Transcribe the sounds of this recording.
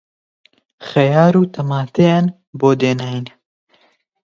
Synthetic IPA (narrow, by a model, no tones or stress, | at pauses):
xɐjaːɾuːt̪ʰɐmaːt̪ean | boːd̪eːnaːjn